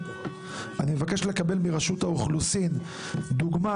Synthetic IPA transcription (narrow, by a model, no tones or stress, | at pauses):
animevake̞ʃle̞kabe̞lmiʁaʃut̪auχlusin | d̪uɡma